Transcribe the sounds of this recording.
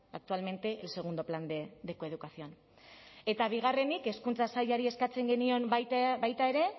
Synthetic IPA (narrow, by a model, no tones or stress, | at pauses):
ak̚t̪ualme̞nt̪e̞ʔelse̞ɣ̞und̪o̞pland̪ed̪e̞ko̞e̞ð̞ukasio̞an | e̞t̪aβ̞iɣ̞are̞nike̞skunt͡sasajaɾie̞skat͡se̞ŋɡe̞nio̞mbajt̪bajt̪ae̞ɾe̞